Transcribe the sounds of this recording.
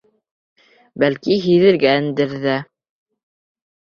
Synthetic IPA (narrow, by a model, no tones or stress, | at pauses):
bælkiɦiðɘ̆ɾɡæɘ̆nd̪ɘ̆ɾðæ